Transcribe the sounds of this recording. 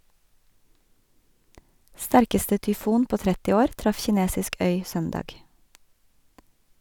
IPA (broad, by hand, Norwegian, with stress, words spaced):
ˈstæɾkəstə tʏˈfuːn ˈpoː ˈtɾɛtɪ ˈoːɾ ˈtɾɑf çɪˈneːsɪsk ˈœʏ ˈsœndɑːɡ